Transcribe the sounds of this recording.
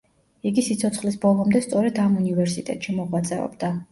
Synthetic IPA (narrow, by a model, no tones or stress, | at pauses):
iɡisit̪sʰɔt̪sʰχlisbɔlˠɔmd̪ɛst̪sʼɔɾɛd̪amunivɛɾsit̪ʼɛ̰t̪ʼʃimɔʁwat̪sʼɛɔ̰bd̪a